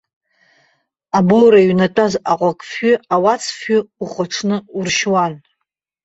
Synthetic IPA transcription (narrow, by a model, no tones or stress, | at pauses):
abowɾaɥnatʼazaqʷʼakʼfʏawat͡sʰfʏuχʷaʈ͡ʂʰnɨurʃwan